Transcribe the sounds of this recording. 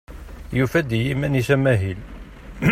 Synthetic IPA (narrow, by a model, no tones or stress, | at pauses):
jufæd̪jimæniʃæmæɦil